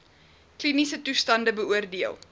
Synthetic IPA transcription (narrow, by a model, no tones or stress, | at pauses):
klinisətustɐndəbəuərdiəlˠ